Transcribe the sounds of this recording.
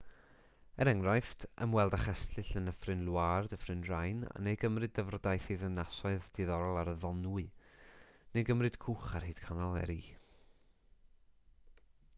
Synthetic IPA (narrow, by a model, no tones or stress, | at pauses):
ɛɾɛŋrajftʰə̰mwɛlˠdaχɛstʰɬɨɬənəfrɨnlˠwardəfrɨnrajna̰nejɡəmrɨdəvrdajθiðənasɔɨðd̥iðɔɾɔlˠaɾəðɔnuɨ | nejɡəmrɨd̥kʰuχarhiːd̥kʰanalˠɛ̰ɾiː